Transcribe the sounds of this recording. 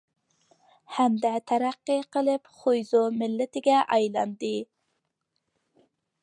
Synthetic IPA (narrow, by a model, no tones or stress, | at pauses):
hæmd̪ɛt̪ʰæɾæqːəqəlˠɨpχojzomɪlːɪt̪ɪɡʲɛʔɑjlˠɑ̰nd̪ɨ